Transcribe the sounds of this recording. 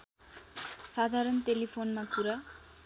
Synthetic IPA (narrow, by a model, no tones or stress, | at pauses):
sad̪ʱaɾʌnt̪elipʰonmakuɾa